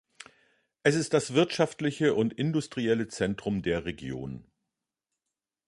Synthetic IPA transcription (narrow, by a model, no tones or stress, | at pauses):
ʔɛsɪstd̥asv̥ɪɐtʃaftlɪçəʔʊntʔɪndʊstʁ̥iɛlət͡sɛntʁ̥ʊmdeːɐʁeɡjo̰ːn